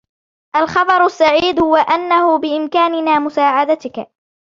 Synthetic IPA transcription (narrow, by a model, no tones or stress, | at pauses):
ʔalxɑb̪ˤɑɾˤasːaʕiːd̪hʊwaʔanːahʊbɪʔɪmkaːnɪnaːmʊsaːʕad̪at̪ɪk